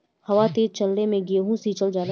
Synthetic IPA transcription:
hɐʋat̪eːd͡ʒt͡ʃɐlːemẽɡeːɦũsit͡ʃəld͡ʒaːl

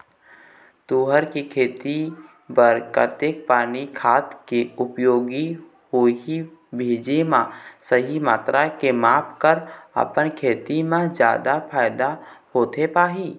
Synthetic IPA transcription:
t̪uːɦəɾkekʰeːt̪i | bəɾkə̰t̪ek̚paːnikʰaːt̪keʊpjoːɡi | hoɦibʱeːd͡ʒemãsəɦimaːt̪ɾakemaːpʰkəɾə̰pənkʰeːt̪imãd͡ʒja̰ːd̪apʰaːɪd̪ahoːt̪epaːɦiː

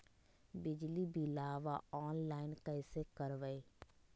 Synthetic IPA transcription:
bɪd͡ʒlibʱilaːʋaɔːnlaːɪnkəɪsekəɾʋəe

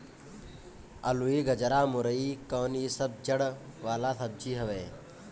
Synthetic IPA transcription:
ɐ̰luiːɡɐd͡ʒəɾaːmʊɾəiːkoːniːsɐb̚d͡ʒɐɽ | ʋaːlaːsɐb̚d͡ʒiːɦɐʋeː

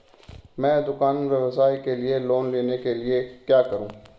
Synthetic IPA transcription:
mɛ̃ːd̪ʊkaːnʋeʋɐsaːikelieloːnleːnekeliekjaːkɐɾũː

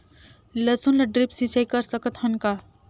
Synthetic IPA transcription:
lət͡sunlɐɖɾipsĩt͡ʃajkəɾsəkət̪ɦənka

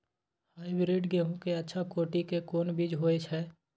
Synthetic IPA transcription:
haːibɾiɖɡeɦũkeɐtːʃʰakoːʈikekoːnbid͡ʒɦoːet͡ʃʰɛː

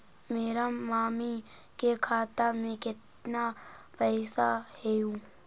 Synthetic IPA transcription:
meːɾamaːmi | kekʰaːt̪amẽkɪt̪ | napɛɪsahɛjũː

